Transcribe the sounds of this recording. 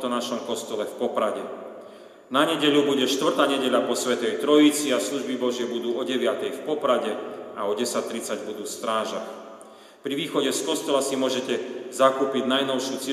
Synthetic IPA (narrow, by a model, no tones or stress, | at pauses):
t̪ɔnaʃɔmkɔst̪ɔlɛfpɔpɾaɟɛ | naɲɛɟɛʎubuɟɛʃt̪ʋr̩t̪aːɲɛɟɛʎapɔsʋɛt̪ɛjt̪ɾɔjit͡siasluʒbibɔʒɪɛbud̪uːɔɟɛʋɪat̪ɛjfpɔpɾaɟɛaɔɟɛsac̚t̪ːɾit͡saɟbud̪uːst̪ɾaːʒax | pɾiʋiːxɔɟɛskɔst̪ɔlasimʊɔʒɛcɛzakuːpiɟnajnɔʊʃɪut͡sɪɛ